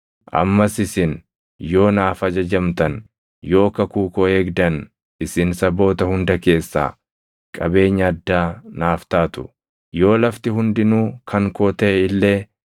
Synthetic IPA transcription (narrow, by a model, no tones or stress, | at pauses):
ʔɐ̰mːɐsɪsɪn | jo̞ːnaːfɐd͡ʒɐd͡ʒɐmt̪ɐn | jo̞ːkɐkuːkʼɔeːɡd̪ɐn | ɪsɪnsɐbo̞ːt̪ɐhʊnd̪ɐke̞ːsːa̰ː | kʼɐbe̞ːɲːɐːd̪ːaːnaːft̪aːt̪ʊ̥̰ | jo̞ːlɐft̪ɪɦʊnd̪ɪnuːkʰɐŋkoːt̪ɛɪlːe̞ː